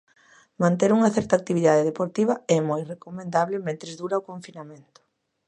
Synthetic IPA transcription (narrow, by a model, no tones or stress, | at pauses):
mãnt̪eɾuŋɐθɛɾt̪ak̚t̪iβiðaðeðepoɾt̪iβɐɛmojrekomẽnd̪aβlɪmẽnt̪ɾezðuɾaokoɱfinamẽnt̪ʊ̥